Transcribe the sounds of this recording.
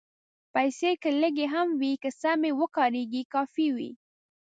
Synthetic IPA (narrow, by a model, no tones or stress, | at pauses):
pajsekələɡeɦamwikəsamewəkɑɾeɡikɑfiwḭ